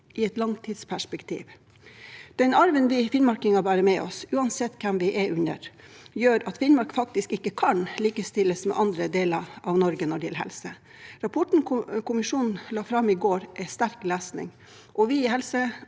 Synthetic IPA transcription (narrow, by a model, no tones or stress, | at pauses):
ʔɪɛt̪lɑŋt̪ʰiːd̪spʰæʂpɛkt̪ʰḭːʋ | d̪̥ɛnɑɾʋənʋɪfɪnmɑɾkɪŋɑbæːɾəmɛɔ̰sʉːɑnsɛt̪ːkʰɛmʋɪʔɛʉnə̰ɾjøːɾɑt̪fɪnmɑɾkfɑkt̪ɪskɪkːəkʰɑnliːkəst̪ɪlːəsmɛ̰ʔɑnd̪ɾəd̪eːlɑɾʔɑʋnɔɾɡənɔɖɛjɛlɦɛ̰lsə | ɾɑpʰɔʈɳ̩kʰʊmɪʂuːnn̩lɑːfɾɑmɪɡoːɾʔæɪst̪æɾklæːsnɪ̰ŋ | ʔɔʋɪɪɦɛlsə